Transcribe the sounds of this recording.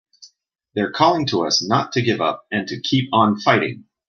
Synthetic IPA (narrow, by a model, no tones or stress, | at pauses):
ðə˞kʰɔlˠɪ̃ŋtʰəʌsnətʰɨɡɪvʌ̰p̚ɨ̃ntʰɨkʰipn̩faɪɾɪ̰̃ŋ